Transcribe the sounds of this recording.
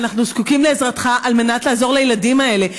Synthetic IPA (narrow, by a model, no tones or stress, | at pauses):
naχnuskukimleːzʁat̪χaʔalme̞nat̪leːzo̞ʁlejeladimae̞le̞